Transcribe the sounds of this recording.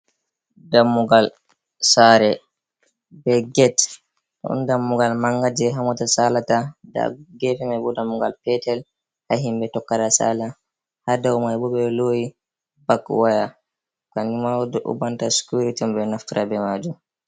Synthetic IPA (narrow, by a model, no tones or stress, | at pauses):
damːuɡal | saɾɛ | bɛɡɛt | ɔ̰ndamːuɡalmaŋɡad͡ʒɛɦamɔtasalatada̰ɡɛfɛmajbɔdamːuɡalpɛtɛl | haɦimbɛtɔkːadasa̰la | hadawmajɛbɔbɛɔloːji | bakwaja | kanimawdɔʔṵbantasi̥kuɾitiɔmbɛnaftiɾʔabɛmad͡ʒum